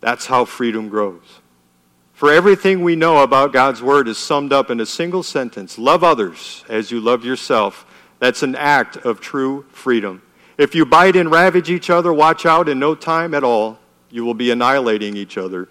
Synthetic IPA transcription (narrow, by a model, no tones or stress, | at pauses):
ðætshaʊfɹiɾɨ̃mɡɹoʊz̥ | fə˞ɛvɹiθɪ̃ŋwinoʊəbaʊt̚ɡ̥ɑdzwɜ˞ɾɨz̥sʌ̃mdʌpɨ̃nɨsɪ̃ŋɡl̩ˠsɛ̃ntʰɨ̃nslʌvʌðə˞z̥ɨzjɨlʌvjə˞sɛlˠf | ðætsn̩æk̚tʰʌv̥tʰɹ̥ufɹiɾə̃m | ɨfjɨbaɪɾɨ̃nɹævɨd͡ʒit͡ʃʌðə˞wɑt͡ʃaʊɾɨ̃nːoʊtʰãɪ̃mɨɾɔlˠ | jɨwəlˠbiɨnaɪəleɪɾɪ̃ŋit͡ʃʌðə˞